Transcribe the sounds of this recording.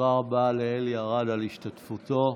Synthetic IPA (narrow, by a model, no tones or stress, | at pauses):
aʁabaleeljaʁadaliʃtatfuto̞